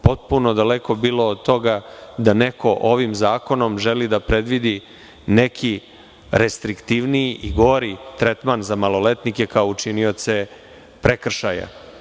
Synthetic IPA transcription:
po̞t̪̚punod̪aleko̞biːlˠo̞ːd̪̚t̪o̞ɡad̪aneko̞ʔo̞ʋimzaːko̞no̞mʒelid̪apɾe̞d̪ʋid̪i | nekʰi | ɾest̪ɾikt̪iʋnijiʔiɡoɾit̪ɾet̪manzamalˠo̞le̞t̪nike̞kaout͡ʃinio̞t̪se̞ | pɾekr̩ʃaja̰

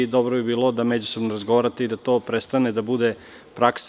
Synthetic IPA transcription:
d̪obɾobibiːlˠod̪amed͡ʑuso̞bnoɾazɡoʋaɾat̪eid̪at̪o̞ːpɾest̪aned̪abud̪e | pɾaks

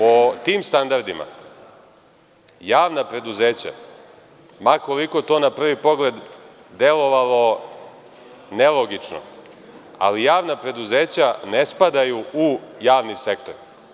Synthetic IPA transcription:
ot̪iːmst̪and̪aɾd̪ima̰ | jaːʋnapɾe̞d̪uzeːt͡ɕa̰ | mako̞liko̞t̪o̞ːnapr̩ʋipo̞ɡle̞d̪ːe̞lo̞ʋalˠo̞ | nelˠoɡit͡ʂno̰ | a̰lijaːʋnapɾe̞d̪uzeːt͡ɕane̞spad̪ajuujaːʋnisekt̪oɾ

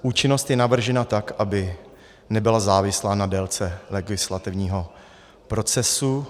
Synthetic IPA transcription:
ʔuːt͡ʃɪno̞st̪jɛnavr̩ʒɛnat̪akʔabɪ | nɛbɪlazaːvɪslaːnadɛlt͡sɛlɛɡɪslat̪ɪvɲiːɦo̞ | pɾo̞t͡sɛsu

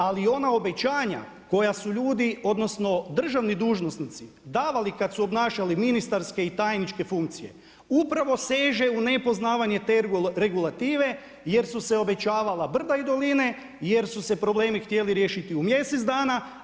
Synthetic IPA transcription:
alio̞nao̞be̞t͡ɕaːɲa̰ | ko̞jasuʎuːd̪io̞d̪no̞sno̞d̪r̩ʒaʋnid̪uːʒnosnit̪si | d̪aːʋalikat̪suo̞bnaːʃaliminist̪aɾske̞it̪aːjnit͡ʃke̞fuŋk̚t̪sije̞̰ | upɾaʋo̞seːʒe̞une̞po̞znaːʋaɲe̞t̪eɾe̞ɡulˠat̪iːʋe̞ | je̞ɾsuse̞o̞be̞t͡ʃaːʋalabr̩d̪aid̪o̞line̞ | je̞ɾsuse̞pɾo̞ble̞ːmixt̪je̞liɾje̞ːʃit̪iumje̞set̪zd̪aːna

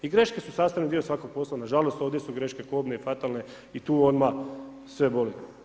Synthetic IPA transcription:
iɡɾe̞ʃke̞susaːst̪anid̪iosʋakoɡ̚po̞slˠanaʒalo̞st̪o̞ːʋd̪jesuɡɾe̞ʃke̞koːbneifat̪alˠne̞ | it̪uːod̪ma | sʋe̞bolit̪o

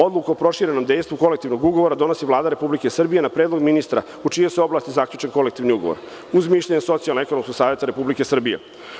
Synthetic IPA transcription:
o̞d̪lukoopɾo̞ʃiɾe̞no̞md̪e̞jst̪vʋuko̞lek̚t̪iʋno̞ɡuɡo̞ʋoɾad̪o̞no̞siʋlˠaːd̪aɾe̞publikesr̩bije̞napɾeːd̪lo̞ɡminist̪ɾa̰ | ut͡ʃijeseo̞blaːst̪izakʎut͡ʃenko̞lekt̪iʋniuɡo̞̰ʋo̰ɾ | uzmiːʃʎʲaɲeso̞t̪sijalnoekonomskoɡ̥saːʋje̞t̪aɾepublike̞sr̩bijḛ

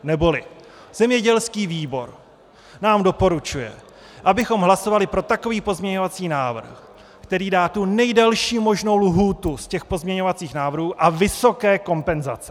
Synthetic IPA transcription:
nɛbo̞lɪ | z̥ɛmɲɛɟɛlskiːviːbo̞ɾ | naːmdo̞po̞ɾut͡ʃujɛ̰ | ʔabɪxo̞mɦlaso̞valɪpɾo̞t̪ako̞viːpo̞zmɲɛɲo̞vat͡siːnaːvr̩x | kt̪ɛɾiːdaːt̪unɛjdɛlʃiːmo̞ʒno̞wlɦuːt̪uscɛxpo̞zmɲɛɲo̞vat͡siːxnaːvrɦuːʔavɪso̞kɛːko̞mpɛnza̰t͡sɛ̥

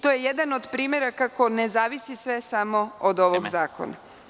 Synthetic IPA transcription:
t̪ojejed̪anod̪pɾiːmje̞ɾakako̞ne̞zaːʋisisʋe̞samo̞od̪o̞ʋoɡzaːko̰na̰

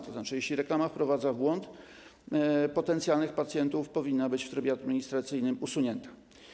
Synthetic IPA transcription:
t̪ɔzat͡ʂɘjɛɕʲlʲiɾɛklamafpɾɔvad̪zavbwɔnt̪ | pɔt̪ɛnt̪sjalnɘxpat̪sʲjɛnt̪ufpɔvʲinːabɘt͡ɕft̪ɾɘbʲjead̪mʲiɲist̪ɾat̪sɘjnɘmusuɲɛnt̪ḁ

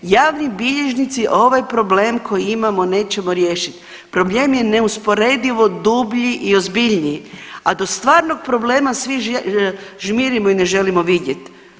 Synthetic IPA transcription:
jaːʋnibiʎeʒnit̪siʔo̞ʋajpɾo̞ble̞ːmkʰo̞jiimamo̞ne̞ːt͡ʃemoɾje̞ːʃit̪ | pɾo̞blˠeːmje̞ne̞uspo̞ɾed̪iʋo̞d̪ubʎiʔio̞zbiʎniad̪o̞st̪ʋaːɾnoɡ̚pɾo̞ble̞ːmasʋi | ʒmiɾimoine̞ʒe̞limo̞ʋidje̞t̪

